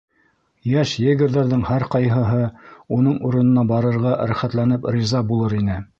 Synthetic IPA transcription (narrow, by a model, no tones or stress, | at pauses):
jæʃjɘ̆ɡɘ̆ɾðæɾðɘŋhæɾqɑjɦɤ̆ɦɤunɤɴuɾɤ̆nɤ̆nɑbɑɾɤ̆ɾʁɑɾæχæt̪lænɘprʲizɑbulˠɤɾinɘ